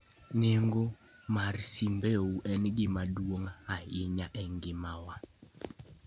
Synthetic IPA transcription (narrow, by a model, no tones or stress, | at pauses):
nɛŋɡomarsimbeuʔɛnɡɪmadwoŋaɪɲaʔɛŋɡɪmawa